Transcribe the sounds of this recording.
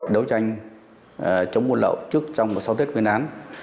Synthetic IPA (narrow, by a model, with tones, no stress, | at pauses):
ɗə˨˦wt͡ɕa˧jŋ̟ | t͡ɕə˨˦wŋ͡mmu˧ənlə̰ː˧˨wt͡ɕɨ˦˥ək̚t͡ɕɔ˧wŋ͡mmo˨˩t̚sa˨˦wt̪̬ʰi˦˥t̚wi˧ənʔaː˨˦n